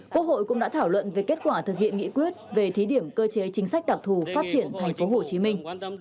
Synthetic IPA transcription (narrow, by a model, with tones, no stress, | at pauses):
kwu˦˥ək̚ho̰˧˨jkʊ̰˧˥ŋ͡mɗa̰ː˧˥t̪ʰaː˧˩wlwə̰˧˨nve˨˩ke˦˥t̚kwaː˧˩t̪ɨ˨˩k̚hḭ˧˨ənŋḭ˧˥kwi˦˥ət̚ve˨˩t̪ʰi˨˦ɗi˧˩əmkəː˧t͡ɕe˨˦t͡ɕï˨˦ŋ̟sa˦˥jk̚ɗa˨˩k̚t̪ʰu˧˩faː˦˥t̚t͡ɕi˧˩ənt̪ʰa˨˩jŋ̟fo˨˦ɦo˨˩t͡ɕi˨˦mï˧ŋ̟